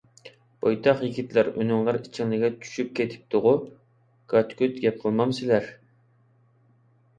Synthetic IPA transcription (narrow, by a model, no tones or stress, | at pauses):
b̥ʰɑjt̪ʰɑχjiɡʲit̪læɾy̰nyŋlˠɑɾit͡ʃʰːiŋlɪɡʲɛt͡ʃʰy̥ʃyp̚kʲʰet̪ʰɪ̥p̚t̪ʊʁʊ | ɡ̥ɑt̪kʰʲyt̪ɡʲɛp̚qʰəlˠmɑmsɪlæɾ